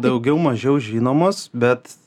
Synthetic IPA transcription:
d̪ɐʊɡʲɛʊmɐʒʲɛʊʒʲiːnoːmoːsbʲɛt̪

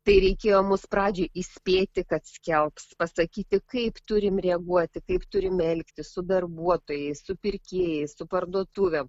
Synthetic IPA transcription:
t̪ɐɪɾʲɛɪkʲeːjoːmʊspɾɑːd͡ʒʲoʔisʲpʲeːt̪ʲɪkɐt̪sʲkʲɛlˠpspɐsɐkʲiːt̪ʲɪkɐɪpt̪ʊɾʲɪmɾʲɛɐɡuɔt̪ʲɪkɐɪpt̪ʊɾʲɪmɛlʲkt̪ʲɪsʊd̪ɐrbuɔt̪oːjɛɪssʊpʲɪrʲkʲeːjɛɪsʊpɐrd̪uɔt̪uʋʲɛm

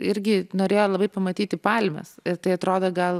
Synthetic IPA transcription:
ɪɾʲɡʲɪnoːɾʲeːjoːlˠɐbɐɪpɐmɐt̪ʲiːt̪ʲɪpɐlʲmʲɛ̰sɪɾt̪ɐɪɐt̪ɾoːd̪oːɡɐlˠ

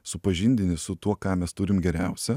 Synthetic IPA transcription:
sʊpɐʒʲɪnʲd̪ʲɪnʲɪsʊt̪uɔkɑːmʲɛst̪ʊɾʲɪmɡʲɛɾʲæˑʊsʲɛ

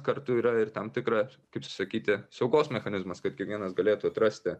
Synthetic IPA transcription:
kɐɾt̪ʊiːɾɐɪɾt̪ɐmt̪ʲɪkɾɐ | kɐɪpsɐkʲiːt̪ʲɪsɒʊɡoːsmʲɛxɐnʲɪzmɐskɐt̪̚kʲiɛkʋʲiɛnɐsɡɐlʲeːt̪uɐt̪ɾɐsʲt̪ʲɪ

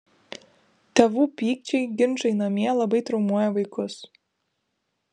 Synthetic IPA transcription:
t̪ʲɛʋuːpʲiːkt͡ʃʲɛɪɡʲɪnʒɐɪnɐmʲiɛlˠɐbɐɪt̪ɾɐʊmuɔjɛʋɐɪkʊs

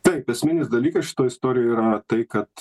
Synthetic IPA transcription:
t̪ɐɪpɛsʲmʲɪnʲɪsd̪ɐlʲiːkɐsʃʲɪ̥t̪oːjɪst̪oːɾʲɪjoːiːɾɐt̪ɐɪkɐt̪

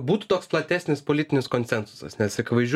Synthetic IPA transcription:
buːt̪u̥t̪oːksplˠɐt̪ʲæːsʲnʲɪspolʲit̪ʲɪnʲɪskoːnʲsʲɛnsʊ̥sɐ̰snʲɛsɪkʲɪʋɐɪʒʲ

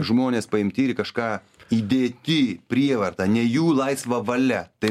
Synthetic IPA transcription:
ʒmoːnʲeːspɐɪmʲt̪ʲiːɾʲɪkɐʃkɑː | iːd̪ʲeːt̪ʲɪpʲɾʲiɛʋɐrt̪ɐnʲɛjuːlˠɐɪsʋɐʋɐlʲɛt̪ɐɪ

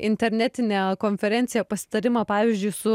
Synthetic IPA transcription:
ɪnʲt̪ʲɛɾʲnʲæːt̪ʲɪnʲeːkoːnʲfʲɛɾʲɛnt̪sʲɪjɛpɐsʲɪ̥t̪ɐɾʲɪmɑpɑːʋʲɪzʲd͡ʒʲʊɪsʊ

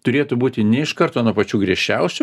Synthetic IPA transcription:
t̪ʊɾʲeːt̪ʊbuːt̪ʲɪnʲɛɪʃkɐrt̪oːnuɔpɐt͡ʃʲuːɡɾʲiɛʃʲt͡ʃʲɛʊsʲʊ

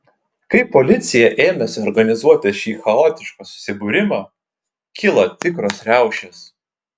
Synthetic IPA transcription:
kɐɪpɔlʲɪt̪sʲɪjɛʔeːmʲɛsʲɔɾɡɐnʲɪzuɔt̪ʲɛʃʲiːxɐoːt̪ʲɪʃkɐːsʊ̥sʲɪbʊːɾʲɪmɑː | kʲɪlˠɐt̪ʲɪkɾoːsɾʲæˑʊʃʲeːs

